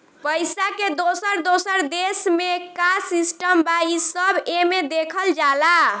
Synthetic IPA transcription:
pəjsaked̪osəɾd̪osəɾd̪esmekasisʈəmbaisəbemed̪ekʰəld͡ʒala

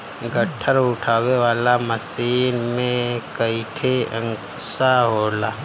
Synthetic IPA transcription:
ɡəʈʰːəɾʊʈʰaːweʋaːlaməsiːnmẽkəiʈʰeə̰ŋk | saɦoːlaː

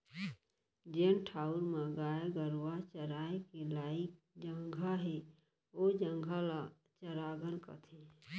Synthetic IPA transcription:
d͡ʒeːnʈʰaːuɾmaɡaːeɡəɾwat͡ʃəɾaːekilaːɪk̚ | d͡ʒəŋɡʱaɦe | od͡ʒəŋɡʱala | t͡ʃəɾaːɡəlka̰t̪ʰe

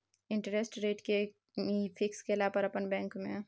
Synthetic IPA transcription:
ɪ̃ɳʈɾesʈɾeːʈke | fʰɪkskelaːpəɾɐpənbɛ̃ːŋkmẽ

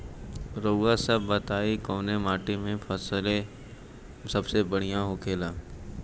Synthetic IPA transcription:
ɾoːɡasɐbːɐt̪aːikoːnemaːʈimẽfʰɐsle | sɐbsebɐɽ̤ijãɦoːkʰeːlaː

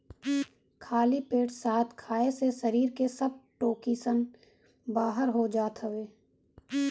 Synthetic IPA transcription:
kʰaːlipeːʈsaːt̪kʰaːesesəɾiːɾkesɐb̚ʈoːkisən | baːɦəɾɦod͡ʒaːt̪ɦəʋeː

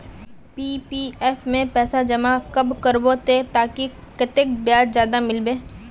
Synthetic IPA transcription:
piːpiːɛːfʰmẽpɛːsad͡ʒɐmakɐbkəɾbot̪et̪aːki | kɪt̪ɪk̚bjaːd͡ʒzjaːd̪amɪlbeː

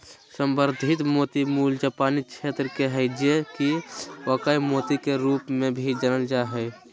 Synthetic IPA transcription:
səmbəɾd̪ʱɪt̪moːt̪imuːld͡ʒaːpaːnit͡ʃʃʰeːt̪ɾəkeɦəɪd͡ʒekiʋəːkəimoːt̪ikeɾuːpmẽbʱid͡ʒənəld͡ʒaɦɛ

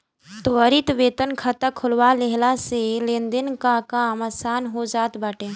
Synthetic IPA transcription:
t̪oəɾit̪ʋeːt̪ənkʰət̪əkʰʊlwaleɦlaselẽːnd̪ɪnkakaːmaːsaːnɦod͡ʒaːt̪baːʈeː

